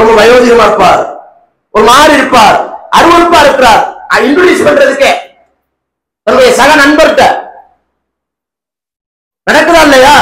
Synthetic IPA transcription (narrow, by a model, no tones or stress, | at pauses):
ɾɔmɐbɐjoːðɪɣɐmaːɾpːaːɾ | ɔɾɯmaːɾɪɾɯpːaːɾʔɐɾɯʋɔɾɯpːaːɪɾɯkːɯɾaːɾaːɪɳɖʊɽiːspɐɳɖɯɾɐðɯkːeː | t̪ɐnːɽɪjɐsɐɣɐnɐnbɐɾɯʈːɐ | nɐɽɐkːɯðãːɪlːɐjaː